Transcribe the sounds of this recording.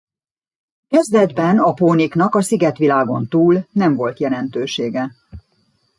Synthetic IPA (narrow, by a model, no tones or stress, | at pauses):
kɛzd̪ɛd̪bɛnɒpoːniknɒkɒsiɡɛt̪ʋilaːɡo̞nt̪uːlnɛɱvo̞lt̪jɛlɛnt̪øːʃeːɡɛ